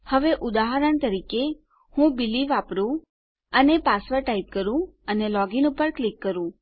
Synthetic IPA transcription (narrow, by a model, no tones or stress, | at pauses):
həʋeʔud̪aɦəɾəɳt̪əɾike | hũbiliʋapɾũ | ənepasʋəɾʈaip̚kəɾũənelɔɡinupəɾklikːəɾũ